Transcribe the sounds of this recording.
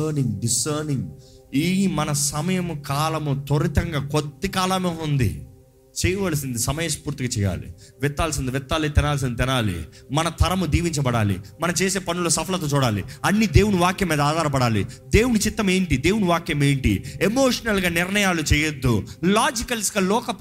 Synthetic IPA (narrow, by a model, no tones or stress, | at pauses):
ɾniŋɡɖisɐːɾniŋɡiːmɐnɐsɐmɐjɐmukaːlɐmut̪oɾit̪ɐŋɡaːkod̪ːikaːlɐmeːund̪ḭ | t͡ʃɛːjɐʋaːlɐsind̪isɐmɐjɐspuːɾt̪iɡaːt͡ʃɛːja̰ːlḭ | ʋɛt̪ːaːlsind̪iʋɛt̪ːaːlit̪inaːls̬ind̪it̪inaːlḭ | mɐnɐt̪ʰɐɾɐmud̪iːʋiɲt͡ʃɐbɐɽa̰ːlḭmɐnɐt͡ʃeːse̞ːpɐnuloːsɐpʰɐlɐt̪oːt͡ʃuːɽaːlḭɐnːid̪e̞ːwuɽuʋaːkjɐmːiːd̪ɐaːd̪ʱaːɾɐpɐɽaːlḭd̪e̞ːwunut͡ʃit̪ːɐme̞ːɳʈid̪eːwunuʋaːkjɐmeːɳʈḭemo̞ːʂɐnɐlɡaːnɪɾnɐjaːlut͡ʃɛːjɐd̪ːulaːd͡ʒikɐlskɐlɔːkɐp